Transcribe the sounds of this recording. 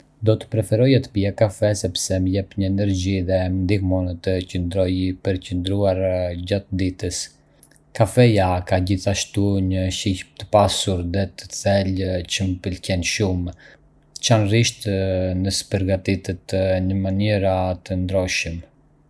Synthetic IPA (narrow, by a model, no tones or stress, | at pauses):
d̪ɔt̪ə̥pɾɛfɛɾɔjat̪ə̥piakafɛsɛpsɛməjɛpɲəɛnɛɾɟiðɛnd̪ikmɔnət̪əcənd̪ɾɔjpəɾcənd̪ɾuaɾɟat̪d̪it̪əs | kafɛjakaɟiθaʃt̪uɲəʃicp̚t̪ə̥pasuɾðɛt̪ə̥t͡sɛlt͡ɕəməpəlcɛnʃum | t͡ʃanriʃt̪nəspəɾɡat̪it̪ət̪ɲəmaniɾat̪ənd̪ɾɔʃəm